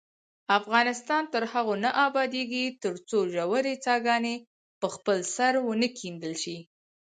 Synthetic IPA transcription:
afɣɑnɪst̪ɑnt̪əɾhaɣonaʔɑbɑd̪eɡit̪əɾt͡soʒawaɾet͡sɑɡɑne | pəxpəlsaɾwənəkʰind̪əlʃi

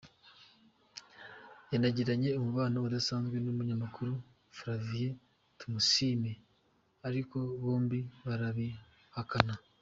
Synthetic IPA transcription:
janaɟiɾaɲe̞omuβaːnoud̪asaːnzɡwe̞nomuɲamakʰuɾu | tuɾavije̞ | tumusiːme | aɾiko̞βo̞ːmbiβaɾaβi | hakana

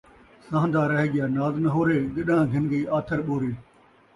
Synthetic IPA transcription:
sãːə̃nd̪aːɾəɦeɠɪjaːnaːznəɦoːɾeːɠəɗãːɡʱɪnɡəiːaːt̪ʰəɾɓoːɾeː

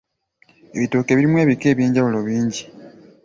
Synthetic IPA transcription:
e̞βitoːke̞βilimwe̞ːβike̞ːβjiːɲɟaulo̞βiːɲɟi

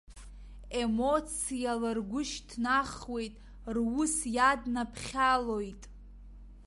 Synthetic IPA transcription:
e̞mot͡sʰijalarɡʷʊʃtʰnaχwe̞jtʼ | rwʊsjadnapʰχʲalo̞jtʼ

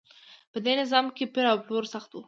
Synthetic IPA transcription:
pəd̪enɪzɑmkepɪɾawploɾsaxt̪wu

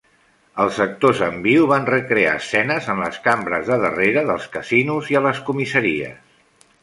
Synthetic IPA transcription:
əlˠsək̚t̪ozəmbiwβanrəkɾea̰əsɛnəzənləskambɾəzðəðəreɾəðəlˠskəzinuziələskumisəɾiə̰s

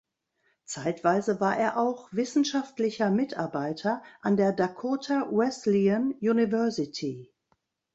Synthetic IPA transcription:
t͡saɪtv̥aɪzəvaːɐʔeːɐʔaʊxv̥ɪsn̩ʃaftlɪçɐmɪta̰ɐbaɪtʰɐʔandeːɐdakʰɔtʰawɛsliənjunivɛɐsɪtʰi

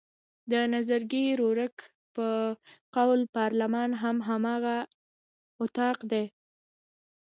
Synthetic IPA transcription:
d̪ənazaɾɡiɾoɾək | pəqawlpɑɾlamɑnɦamɦamɑɣa | ʊt̪ɑqd̪e

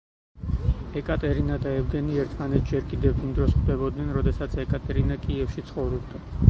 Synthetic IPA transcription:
ɛkʼat̪ʼɛɾinad̪aɛvɡɛniɛɾt̪ʰmanɛt̪ʰd͡ʒɛɾkʼid̪ɛvimd̪ɾɔsχd̪ɛbɔd̪nɛnɾɔd̪ɛsat̪sʰɛkʼat̪ʼɛɾinakʼiɛfʃit̪sʰχɔvɾɔbd̪a

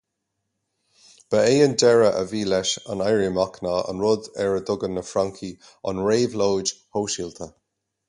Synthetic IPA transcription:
b̥əeːəndɛɹəʔə̰viːlɛʃə̰najɹimaknaə̰nɹʊd̪ɛɹədʊɡənːəfɹaŋkʰi | ɔ̰nɹeːvloːd͡ʒhoːʃilt̪ʰə

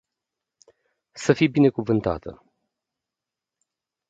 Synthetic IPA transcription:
səfijbine̞kuvɨnt̪a̰t̪ə̰

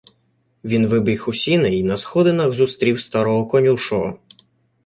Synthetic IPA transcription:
ʋʲinʋɪbɪxusʲinɛinɐsxɔd̪ɪnɐɣzust̪ɾʲiwst̪ɑɾɔɦɔkɔnʲuʃɔɦɔ̰

